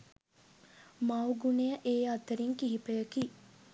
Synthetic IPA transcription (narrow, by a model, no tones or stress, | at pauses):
mawɡunejəʔeːɐt̪əɾiŋkiɦipəjəkiː